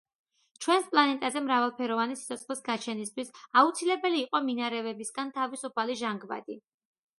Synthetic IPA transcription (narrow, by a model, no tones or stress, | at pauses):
t͡ʃʰwɛnspʼlˠanɛt̪ʼazɛmɾavalˠpʰɛɾɔvanisi̥t̪sʰɔt̪sʰχlisɡat͡ʃʰɛnist̪ʰwisaut̪sʰilɛbɛliːqʼɔminaɾɛvɛbisɡant̪ʰavisupʰaliʒaŋɡva̰d̪i